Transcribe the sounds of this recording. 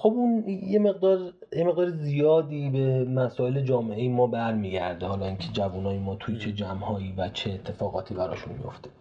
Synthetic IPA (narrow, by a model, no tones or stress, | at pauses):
χo̞bunjeme̞ɣd̪ɒːɾ | jeme̞ɣd̪ɒːɾezijɒːd̪iːbe̞mæsɒːele̞d͡ʒɒːme̞ejemɒːbæɾmiːɟæ̰ɾd̪ehɒːlɒːiːncʰe̞d͡ʒævunɒːjemɒːt̪ʰujet͡ʃʰe̞d͡ʒæmhɒːiːvæt͡ʃʰeːt̪ʰːe̞fɒːɣɒ̰ːt̪ʰiːbæɾɒ̰ːʃunmḭjo̞̰ft̪e̥